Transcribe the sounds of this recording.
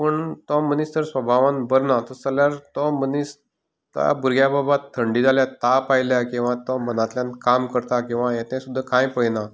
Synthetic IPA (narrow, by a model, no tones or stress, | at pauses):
pəɳt̪ɔmənist̪əɾsʋəbʱaʋãnbəɾnat̪ɔt͡səljaɾt̪ɔmənis | t̪a̰buɾɡjababat̪ʰːəɳɖiːd͡zʱaljat̪apajljakĩw̃ʋãt̪ɔmənat̪ljãnkamkəɾt̪akĩw̃ʋajɛ̃t̪ɛ̃sud̪ʱːakãjpəjna